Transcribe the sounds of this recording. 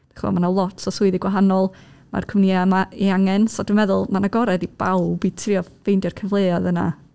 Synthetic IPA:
dd̥ḁχɔ̰manalˠɔtʰsɔsʊɨðiɡwaɦanɔlˠ | ma̰rkʰəmniamaiaŋɛnsɔdənmɛðʊlˠmanaɡɔɾɛdib̥a̰wbitʰriːɔfejndɔrkʰəvlˠeːɔðəna̰

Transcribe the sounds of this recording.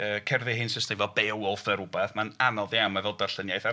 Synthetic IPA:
əːkʰɛrðɪɦɪnsɪsnejvɔbɛwɔlˠθəɾubɛθmananɔðjamavɛlˠdarɬənjajθa

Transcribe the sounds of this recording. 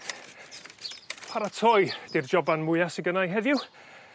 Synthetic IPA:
pʰaɾatʰɔjd̥ird͡ʒɔbanmʊjasiɡənajɦɛðjʊ

